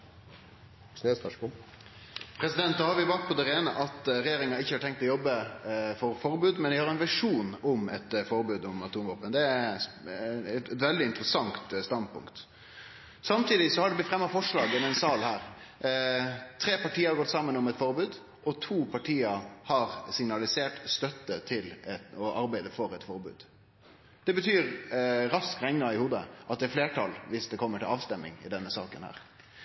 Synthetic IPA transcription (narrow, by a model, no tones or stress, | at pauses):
snesɑʂkʊ | pʰɾɛsɪd̪ɛnt̪d̪ohɑɾʋɪbɑːk̚pʰɔd̪ɛɾeːnəʔɑt̪ɾɛjeːɾɪŋɑɪçːəhɑʈʰɛŋk̚t̪ɔjɔbːəfɔɾfɔɾbʉːd̪mɛnʋɪhɑɾɛnʋæʂuːnʊmɛt̪fɔɾbʉːd̪ʊmɑt̪ʰuːmʋoːpənd̪ɛæ | ɛɛt̪ʋɛld̪ɪɪnt̪ɾəsɑŋt̪st̪ɑn̚pʰʊ̰ŋkt̪ | sɑmt̪ʰiːd̪ɪsɔhɑɖɛblɪt̪fʁɛmːɑfɔʂɭɑːɡɔmɛɪnsɑlhæːɾ | t̪ʰɾeːpɑʈiːəɑɾɡɔt̪ːsɑmːənɔmɛt̪fɔɾbʉːd̪ | ʔɔt̪ʰuːpʰɑʈʰiːəhɑɾsɪŋnɑlɪseːʈst̪œt̪ːət̪ʰɪlɛɔʔɑɾbæɪd̪əfɔɾɛt̪fɔɾbʉ̰ːd̪ | d̪̥ɛbət̪ʰyːɾɾɑskɾɛŋnɑɪhuːd̪əʔɑt̪̚d̪ɛːfleːʈʰɑlʋɪsd̪ɛkʰɔmːəʈʰɪlɑːʋst̪ɛmːɪ̰ŋɪ̰d̪ɛnːəsɑːkənhæ̰ːɾ